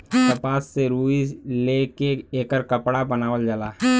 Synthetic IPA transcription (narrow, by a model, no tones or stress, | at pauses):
t̪əpaːsːeɾuːilekeeːkəɾkəpɽabənaːʋəld͡ʒaːlaː